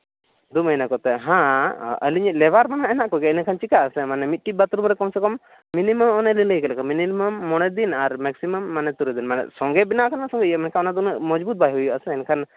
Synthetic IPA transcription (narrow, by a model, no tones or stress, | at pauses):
d̪uməjnakɔt̪ɛɦãə̰liɲilɛbaɾmanaɛnaʔkɔɡɛɛnəkʰant͡ʃikaʔəsɛmanɛmit̪̚ʈibat̪ɾumɾɛkɔmsɛkɔmː | iniməmɔnɛliləjkɛlɛkʰaminiməmːɔɽ̃ɛd̪inaɾmɛksiməmːanɛt̪uɾɛd̪inmanɛ̰sɔŋɡɛbinaʔkʰanasɔ̃ŋɡɛjəmɛnkʰaɔnad̪unəʔmɔd͡ʒbut̪̚baɦiɦujuʔasɛɛnkʰan